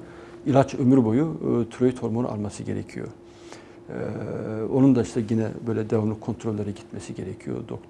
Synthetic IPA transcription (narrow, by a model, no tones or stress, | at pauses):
ilʲˠat͡ʃømyɾbo̞jut̪ʰyɾojit̪ʰho̞ɾmonʔa̰lˠmasɯɟe̞ɾɛ̰cʰijo̰ | o̞nund̪aiʃt̪ʰɛɟinɛ̰bø̞jlʲɛd̪evamlˠɯkʰːo̞nt̪ʰɾolʲːeɾɯɟit̪mɛsiɟe̞ɾɛcʰijo̰d̪o̞̰k̚t̪